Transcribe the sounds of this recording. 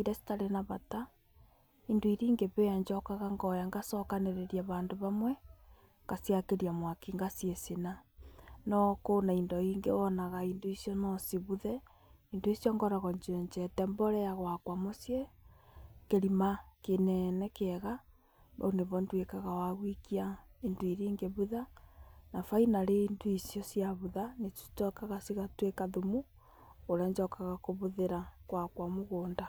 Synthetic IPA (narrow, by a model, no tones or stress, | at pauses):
iɾɛsi̥taɾenaβata | indoiɾiːŋɡeβejaɲd͡ʒɔkaɣaŋɡɔjaŋɡasɔkaneɾeɾjaβaːndoβamwɛ | ŋɡ̥asjakeɾiamwakiŋɡasjesena | nɔkonaindɔiŋɡeβɔnaɣaindoisjɔnɔsiβuðɛ | indoisijɔŋɡɔɾaɣɔɲd͡ʒeɲd͡ʒɛtɛmbɔɾɛjaɣwakwamosje | keɾimakenɛnɛkɛɣa | ba̰uneβɔndwekaɣawaɣwikiaindoiɾiːŋɡeβuðanafainaɾeinduisiɔsjaβuðanetu̥tɔkaɣasiɣatwekaðumu | oɾaɲd͡ʒɔkaɣakoβuðeɾakwakwamoɣoːnda